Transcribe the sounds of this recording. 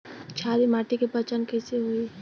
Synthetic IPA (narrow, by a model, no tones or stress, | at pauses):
t͡ʃʰad̪imaʈikepət͡ʃənkɛseɦui